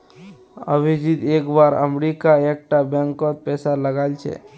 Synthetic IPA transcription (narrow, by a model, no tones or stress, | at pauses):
ə̰bid͡ʒid̪eːkbaɾə̰mɾikaek̚ʈabɛ̃ŋkɔt̪̚pɛːsaləɡalt͡ʃʰḛ